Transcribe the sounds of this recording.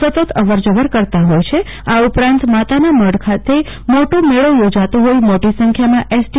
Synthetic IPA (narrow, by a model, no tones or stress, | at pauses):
sət̪ət̪əʋəɾd͡ʒəʋəɾkəɾt̪aɦojt͡ʃʰe | aupɾãnt̪mat̪anaməɽkʰat̪e | moʈomeɭojod͡ʒat̪õɦoimoʈisə̃ŋkʰjamãʔesʈ